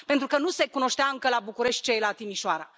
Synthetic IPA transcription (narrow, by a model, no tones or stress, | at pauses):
pent̪ɾukənuse̞kuno̞ʃt̪eaɨŋkəlabukuɾe̞ʃt̪̚ʲt͡ʃe̞jlat̪imiʃoaɾa